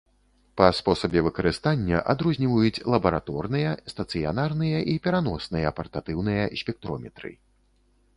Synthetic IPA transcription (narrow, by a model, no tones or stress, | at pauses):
pɐspɔsɐbʲɛvɨkɐɾɨst̪anʲːɐʔad̪ɾuzʲnʲivɐjut͡sʲlˠɐbɐɾat̪ɔrnɨjɐst̪ɐt̪sɨja̰narnɨjɐʔipʲɛɾanɔsnɨjɐpɐrt̪at̪ɨwnɨjɐsʲpʲɛk̚t̪ɾɔmʲɛt̪ɾɨ̰